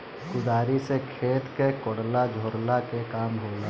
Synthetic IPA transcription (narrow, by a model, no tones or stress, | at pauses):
kʊd̪aːɾisekʰeːt̪kekɔɽlad͡ʒʱoːɾlakekaːmɦoːla